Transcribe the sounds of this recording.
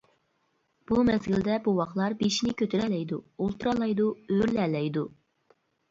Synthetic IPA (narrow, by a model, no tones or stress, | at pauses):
b̥umɛzɡʲild̪ɛbuwɑqlˠɑɾbeʃinɪkʲøt̪ʰɪɾɛlɛjd̪uolˠt̪uɾɑlˠɑjd̪uøɾlɛlɛjd̪u